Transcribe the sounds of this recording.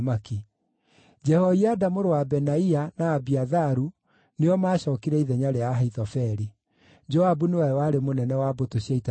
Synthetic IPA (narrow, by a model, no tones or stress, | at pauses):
maki | d͡ʒɛhɔiadamoɾowabɛnaianaːbiaðaɾu | neɔmaːɕɔːkiɾɛiðɛɲaɾeaɦaiðɔfɛɾi | d͡ʒɔabunewawaɾemonɛnɛwabotoɕaita